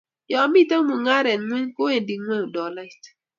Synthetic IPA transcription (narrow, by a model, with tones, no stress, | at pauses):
jɔ˨mi˦tə˦ŋ˦mu˨ŋa˦ɾɛ˨nŋɛ˦ɲko˦e˨ndi˨ŋo˦˨dɔ˨la˦t